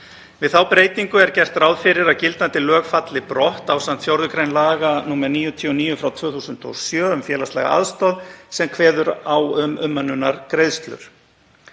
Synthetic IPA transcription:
vɪðθawpɾeːjt̪iŋkʏɛɾcɛr̥t̪ɾawðfɪɾɪɾaðcɪlt̪ant̪ɪlœːɣfat̪lɪpɾɔht̪awsant̪fjɔɾðʏkɾejnlaːɣanuːmɛɾniːjʏt̪ʰiɔniːjʏfɾawt̪ʰv̥œːθuːsʏnt̪ɔ̰sjœːʏmfjɛːlast̪lɛ̰ɣa̰ʔa̰ðst̪ɔðsɛmkʰvɛːðʏɾawʏmʏmːœnːʏnaɾkɾejðst̪lʏ̰ɾ̥

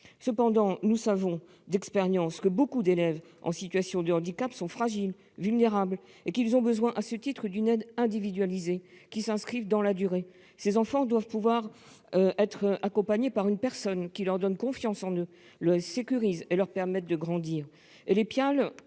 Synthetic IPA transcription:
səpɑ̃d̪ɑ̃nusavɔ̃ | d̪ɛkspeʁjɑ̃skəbokud̪elɛv | ʔɑ̰̃sit̪ɥasjɔ̃d̪əɑ̃d̪ikapsɔ̃fχaʒil | vylneʁabl | ekilzɔ̃bəzwɛ̃ʔasət̪it̪χəd̪ynɛd̪ɛ̃d̪ivid̪ɥalizekʲisɛ̃skχivd̪ɑ̃lad̪yʁe | sezɑ̃fɑ̃d̪wavpuvwaʁ | ʔɛt̪χakɔ̃paɲepaʁynpɛʁsɔnkʲilœʁd̪ɔnkɔ̃fjɑ̃sɑ̃nø | ləsekʲyʁizelœʁpɛʁmɛt̪̚d̪əɡʁɑ̃d̪iʁ | elepjal

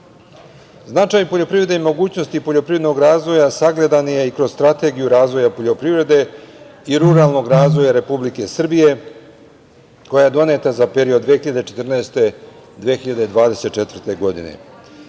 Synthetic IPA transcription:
znat͡ʃaːjpo̞ʎo̞pɾivɾe̞d̪eimo̞ɡuːt͡ɕno̞st̪ipo̞ʎopɾived̪noɡɾaːzʋo̞jasaɡle̞d̪anjeikɾo̞z̥st̪ɾat̪e̞ɡijuɾaːzʋo̞japo̞ʎo̞pɾivɾe̞d̪e̞iɾuɾalno̞ɡɾaːzʋo̞jaɾe̞publike̞sr̩bije̞ | ko̞jaed̪o̞ne̞t̪azapeɾiod̪ʋexiʎad̪et͡ʃe̞t̪rnaest̪e̞ | d̪ʋexiʎad̪ed̪ʋaːd̪e̞se̞t̪̚t͡ʃe̞t̪vr̩t̪e̞ɡo̞d̪ḭnḛ

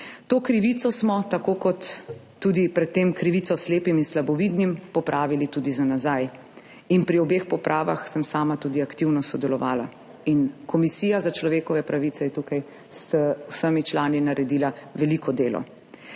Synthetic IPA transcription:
t̪oːkɾiʋit̪sɔsmɔt̪akoːkɔt̪ː | uːd̪ipɾɛt̪ːeːmkɾiʋit̪ɔsleːpiminslabɔʋiːd̪nimpɔpɾʔaːʋilit̪uːd̪izanazaj | inpɾiɔbeːxpɔpɾʔaːʋa̰xsəmsaːmat̪uːd̪iakt̪iwnɔsɔd̪ɛlɔʋa̰ːla | inkʰɔmisiːjazat͡ʃlɔʋeːkɔʋɛpɾaʋiːt̪sɛjɛt̪ukaj | swsəmit͡ʃlaːninaɾɛd̪iːlaʋɛlikʰɔd̪eːlɔ̰

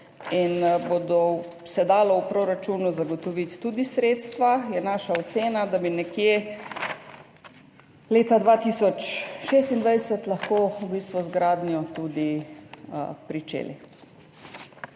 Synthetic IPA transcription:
inbod̪ɔ | sɛd̪aːlɔwpɾoːɾat͡ʃuːnuzaɡɔt̪ɔʋit̪ːuːd̪isɾeːt̪st̪ʋajɛnaːʃaɔt̪seːnad̪abinɛkje | leːt̪ad̪ʋat̪iːsɔt͡ʃʃeːst̪ind̪ʋajsɛt̪lɐxkoːubiːst̪ʋuzɡɾaːd̪njɔt̪ud̪ḭ | pɾit͡ʃḛːlḭ

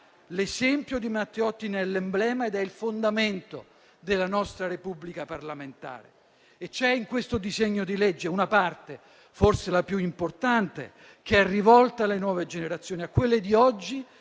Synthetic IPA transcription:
lezɛmpjod̪imat̪ːeɔt̪ːinɛlːemblɛːmaed̪ɛilfond̪ament̪o | d̪elːanɔst̪ɾaɾepublikaparlament̪a̰ːɾḛ | et͡ʃːɛiŋkwest̪od̪izeɲːod̪ilɛd͡ʒːeunapart̪e | forselapjuimport̪ant̪ḛ | k̟ɛrːivɔlt̪alenwɔːved͡ʒeneɾat̪sːjoːniakːwelːed̪iɔd͡ʒːi

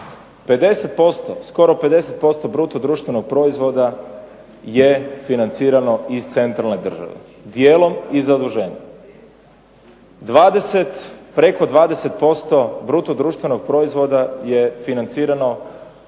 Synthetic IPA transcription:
pe̞d̪e̞se̞t̪̚po̞st̪osko̞ɾo̞pe̞d̪e̞se̞t̪̚po̞st̪o̞bɾuːt̪od̪ɾuːʃt̪ʋe̞noɡ̚pɾo̞izʋo̞d̪a | jefinant̪siːɾano̞ist̪se̞nt̪ɾalˠned̪r̩ʒa̰ʋḛ | d̪jeːlˠo̞mizad̪uʒeːɲa | d̪ʋaːd̪eset̪pɾe̞ko̞d̪ʋaːd̪e̞se̞t̪̚po̞st̪o̞bɾuːt̪od̪ɾuːʃt̪ʋe̞no̞ɡ̚pɾo̞izʋo̞d̪aje̞finant̪siːɾano̞

